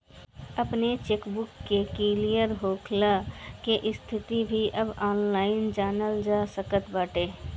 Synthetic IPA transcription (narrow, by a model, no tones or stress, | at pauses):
əpnet͡ʃeːkbʊkːekilijəɾɦoːkʰlakeʔɪst̪ʰɪt̪ibʱiʔəbaːnlaːɪnd͡ʒaːnəld͡ʒaːsəkət̪baːʈeː